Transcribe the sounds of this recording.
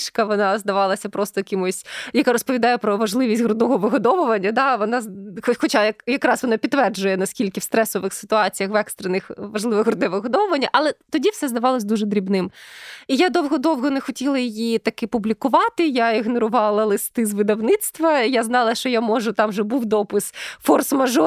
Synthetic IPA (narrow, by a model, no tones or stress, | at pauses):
ʃkɐʋɔnɑzd̪ɐʋɑlˠɐsʲɐpɾɔst̪ɔjɐkʲɪmʊsʲjɐkaɾɔspɔʋʲid̪ɑjɛpɾɔʋɐʒlˠɪʋʲisʲtʲɦɾʊd̪ɔɦɔʋɪɦɔd̪ɔʋʊʋɐnʲːɐd̪ɑʋɔnɑxxɔt͡ʃajɐkjɐkɾɑsʋɔnɑpʲit̪ːʋɛrd͡ʒʊjɛnɐskʲilʲkɪwst̪ɾɛsɔʋɪxsɪ̥t̪ʊɑt͡sʲijɐxʋɛkst̪ɾenɪxʋɐʒlˠɪʋɪɣɦɾʊd̪ɛʋɪɦɔd̪ɔʋʊʋɐnʲːɐʔɐlˠɛt̪ɔdʲiwsɛzd̪ɐʋɑlˠɔsʲd̪uʒɛd̪ɾʲibnɪmijad̪ɔwɦɔd̪ɔwɦɔnexɔtʲilˠɐjɪjit̪ɐkɪpʊblʲikʊʋɑt̪ɪjaiɣnɔɾʊʋɑlˠɐlˠɪst̪ɪzʋɪd̪ɐwnɪt̪st̪ʋɐjaznɑlˠɐʃt͡ʃɔjamɔʒʊt̪ɑmʒɛbuwd̪ɔpʊsfɔrsmɐʒɔ